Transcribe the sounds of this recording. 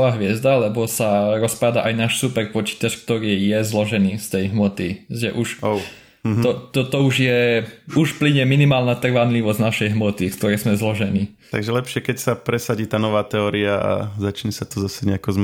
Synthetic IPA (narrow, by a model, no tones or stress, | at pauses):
ʋaːɦʋɪɛzd̪alɛbɔsaɾɔspad̪aʔajnaːʃsupɛɾpɔt͡ʃi̥t̪at͡ʃk̚t̪ɔɾiːjɛzlɔʒɛniːst̪ɛjɦmɔt̪iʒɛ̰ʔuʃo | ɔt̪ɔt̪ɔuʒjɛuʃpliɲɛminimaːlnat̪r̩ʋanliʋɔzznaʃɛjɦmɔt̪ikt̪ɔɾɛjzmɛzlɔʒɛniː | t̪aɡʒɛlɛpʃɪɛkɛcsapɾɛsaɟiːt̪aːnɔʋaːt̪ɛɔːɾiaa̰zat͡ʃɲɛsat̪ɔzasɛɲɛakɔz